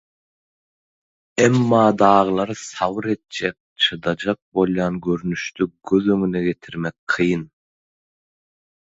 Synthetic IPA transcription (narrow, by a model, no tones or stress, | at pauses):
emːɑːd̪ɑːʁɯlˠɑɾɯsɑwɯɾe̞t̪̚d͡ʒek̚t͡ʃʰɯd̪ɑd͡ʒɑq̚bo̞lˠjɑːnɡøɾnyʃt̪yɡ̥øðøŋyneɡe̞t̪ʰiɾmek̚qʰɯjɯn